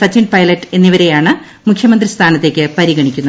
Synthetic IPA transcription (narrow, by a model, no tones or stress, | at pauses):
sɐt͡ɕːiɳɖ̚pɐjlɐtːɨ̥e̞nːiʋɐɾe̞jaːɳɨ | mukʰjɐmɐnd̪rist̪ʰaːnɐt̪ːe̞ːkʲːɨpɐɾiɣɐɳikʲːunːɐ